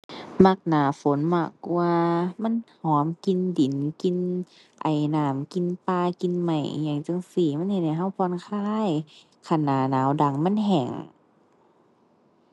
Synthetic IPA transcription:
ma˧k̚naː˨˦fo˨˦nmaː˧˩kːu˧ɐma˧˥˨nhɔː˨˦mki˧ndi˨˦nki˧n | ʔa˨˩jnaː˨˩˦mki˧˨npaː˧ki˧nma˧˩jɲa˨˧˩ŋt͡ɕa˧˨ŋsiː˧˩m˧˥˨nhe˧n̚ha˧˩jɦa˧˩˨wpʰɔː˧˨nkʰaː˧˥˨j | kʰa˧˩naː˨˩˦naː˨˦wda˧˩ŋma˧˥˨nɦɛ˨˩ŋ

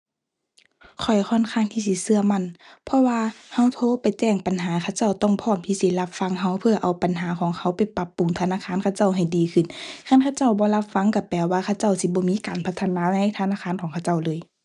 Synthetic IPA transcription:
kʰɔ˨˩jkʰɔː˧˥˨nkʰaː˧˨ŋt̪ʰiː˧˩s̬i˧˦sɯ˧ɐma˧˥˨npʰɔ˧waː˧ha˧˥˩wt̪ʰoː˧˥˨pa˨jt͡ɕɛː˧˩ŋpa˨nɦaː˨˦kʰa˧˩wt͡ɕa˧˩wt̪ɔ˧˨ŋpʰɔː˧˩˨mt̪ʰiː˧si˧˨la˧p̚fa˧˥ŋɦa˧˩wpʰɯ˧˩ɐʔa˨˩wpa˨nɦaː˨˦kʰɔː˨˦ŋhʰa˧˥˩wpa˨˩jpa˧˦pːu˨ŋt̪ʰa˧naː˧˥˨kʰaː˧˥˨nkʰa˧˩wt͡ɕa˧˩˨wɦa˨˩jdiː˨˦kʰɯ˧˩˨nkʰa˧˥˨nkʰa˧˩wt͡ɕa˧˥˨wbɔː˧˦la˧p̚fa˧˥ŋka˧˩pɛː˨˧˩waː˧kʰa˧˩wt͡ɕa˧˥˩wsi˧bɔː˧˦miː˧˥˨kaː˨npʰa˧˥t̪ʰːnaː˧˥˧na˧˥jt̪ʰa˧naː˧˥˨kʰaː˧˥˨nkʰɔː˨˦ŋkʰa˧wt͡ɕa˧˩˨wlɤː˧˦j

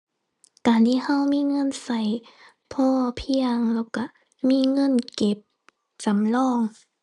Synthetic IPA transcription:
kaː˨˩nt̪ʰiː˧˨ha˧˥˨wmiː˧˥˨ŋɤ˧˥˨nsa˨˦j | pʰɔː˧˩pʰi˧əŋlɛː˧˩wka˧˩ | miː˧˥˨ŋɤ˧˥˨nke˧˦p̚ | t͡ɕa˨˦mlɔː˧˥˩ŋ

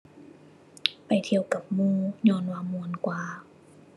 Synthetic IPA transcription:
pa˨˩jt̪ʰi˧˩əwka˨˩p̚muː˧˨ɲɔː˧˥˨nwaː˧˩mu˧ənkwaː˧

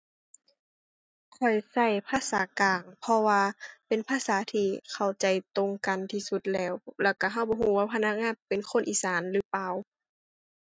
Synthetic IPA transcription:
kʰɔ˨˩jsa˧˩jpʰaː˧˨saː˨˦kaː˨˩ŋpʰɔ˧waː˧pe˨npʰaː˧˥˨saː˨˦t̪ʰiː˧kʰa˨˩wt͡ɕa˨˩jt̪o˧ŋka˨nt̪ʰiː˧˩su˧˦t̪̚lɛː˧˩˨wlɛː˧˩wka˧˩ɦa˧˥˩wbɔː˧˦ɦuː˧˦waː˧˩pʰa˧na˧k̚ŋaː˧˥˨npe˨nkʰo˧˥˨nʔiː˨saː˨˦nlɯː˨˦paː˧˨w

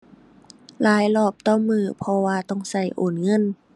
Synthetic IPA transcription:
laː˨˦jlɔː˧˩p̚t̪ɔː˧˥˨mːɯː˧˩pʰɔ˧waː˧t̪ɔ˧˥˩ŋsa˧˩jʔoː˨˩nŋɤ˧˥˨n

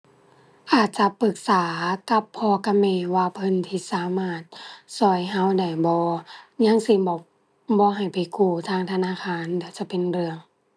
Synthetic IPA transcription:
ʔaː˨˩t̪̚t͡ɕa˧pɯ˧˦k̚saː˨˦ka˧˦pʰːɔː˧ka˧mɛː˧˩˨waː˧pʰɤ˧˥˨nt̪ʰiː˧˨saː˨˦maː˧˩t̪̚sɔː˧˩˦jɦa˧˥˨wda˧˩jbɔː˧˦ɲa˧˥˨ŋsi˧˩˨bɔː˧ | bɔː˧˦ɦa˨˩jpa˨˩jkuː˧˩t̪ʰaː˧˨ŋt̪ʰa˧naː˧˥˨kʰaː˧˥˨nda˧˩˨t͡ɕa˧˦pe˨nɾɯ˧əŋ

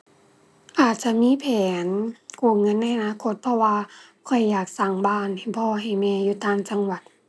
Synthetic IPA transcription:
ʔaː˨˩t̪̚t͡ɕa˧˨miː˧˥˨pʰɛː˨˦nkuː˧˩ŋɤ˧˥˨nːa˧˥jʔa˧naː˧˥˨kʰo˧˦t̪̚pʰɔ˧waː˧ | kʰɔ˧˩jːaː˨˩k̚sa˧˩ŋbaː˧˥˨na˨˩jbɔː˧˩ɦa˨˩jmɛː˧˩juː˧t̪aː˧˥˨ŋt͡ɕa˧ŋwa˨˩t̪̚

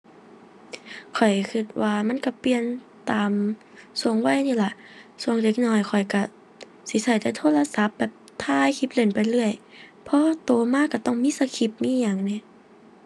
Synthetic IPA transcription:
kʰɔ˨˩jkʰi˧˩t̪̚waː˧ma˧˥˨nka˧˩pi˧˨ən | t̪aː˨m | su˨˧˩əŋwa˧˨jniː˧˩˨la˧˩ʔsu˧˩əŋde˧˦k̚nɔː˧˩jkʰɔ˨˩jka˧˩ | si˨˧˦sa˧˩jt̪ɛː˧˦t̪ʰoː˧˥˨la˧sa˧˦p̚bɛː˨˩p̚t̪ʰaː˧˥˩jkʰi˧˦p̚le˧˩npa˨jlɯ˧˩əjpʰɔ˧˦˧t̪oː˨˩maː˧˥˨kːa˧˩t̪ɔ˧˩ŋmiː˧˥˨sa˧kʰi˧˩p̚miː˧˥˨ɲaː˨˩˨ŋni˧˩˨

